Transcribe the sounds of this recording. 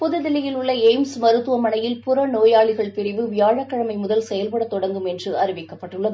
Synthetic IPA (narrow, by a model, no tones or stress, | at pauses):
pʊðɯðɪlɪjɪlʊɭːɐɛːmsmɐɾɯt̪ːɯʋɐmɐnɐjɪlpʊɾɐnoːjaːɭɪɣɐɭpɪɾɪʋɯʋɪjaːɻɐkːɐɻɐmɐɪmʊðɐlsɛjɐlpɐɽɐt̪ːɔɽɐŋɡɯmɛndrɯɐɾɪʋɪkːɐpːɐʈːɯɭːɐ